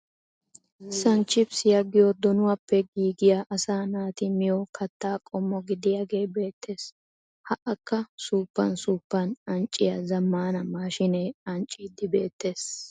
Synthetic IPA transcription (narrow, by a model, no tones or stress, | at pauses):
sɐnt͡ʃːɪbsɪjɐɡɪjɔd̪ɔnʊwɐpːɛɡiːɡɪjaʔɐsaːnaːt̪ɪmɪjɔkʰɐt̪ːaːkʼɔmːɔɡɪd̪ɪjaɡe̞ːbe̞ːt̪ːe̞ːs | hɐʔɐkːɐsuːpːɐnsuːpːɐnɐnt͡ʃʼːɪjɐzɐmːaːnɐmaːʃɪneːɐnt͡ʃʼːiːd̪ːɪbe̞ːt̪ːe̞ːs